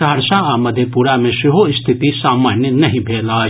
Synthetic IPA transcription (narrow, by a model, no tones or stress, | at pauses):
aəɾʃãaːmɐd̪ʱjəpuːɾamẽsɪɦoɪst̪ʰɪt̪isaːmaːnjənɐɦĩbʱeːlaː